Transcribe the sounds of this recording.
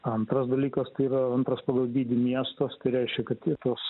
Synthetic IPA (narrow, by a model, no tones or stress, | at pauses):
ɐnt̪ɾɐsd̪ɐlʲiːkɐst̪ɐɪiːɾɐɐnt̪ɾɐspɑːɡɐlˠd̪ʲiːd̪ʲɪmʲiɛst̪oːst̪ɐɪɾʲɛɪʃʲkʲɛkɐt̪tʲit̪uɔs